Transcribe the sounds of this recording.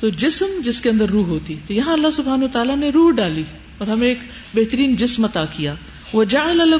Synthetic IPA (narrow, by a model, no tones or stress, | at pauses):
t̪oːd͡ʒɪsmd͡ʒɪskeɐ̃nd̪əɾːuːɦɦoːt̪it̪ojɐɦãɐlːasʊbʱɦaːnuʋɐt̪aːlaneɾuːɦɖaːli | ɔːɾɦɐmẽeːk | beɦt̪əɾiːnd͡ʒɪsmɐt̪aːkijaː | ʋɐd͡ʒaall